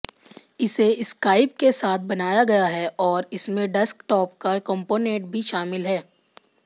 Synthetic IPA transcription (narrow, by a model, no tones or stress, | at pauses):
ɪseɪskaːɪp̚kesaːt̪̚ʰbɐnaːjaɡɐjaɦɛʔɔːɾɪsmẽɖɛskʈɔːp̚kakə̃mpoːnẽːʈ̚bʱiʃaːmɪlɦɛː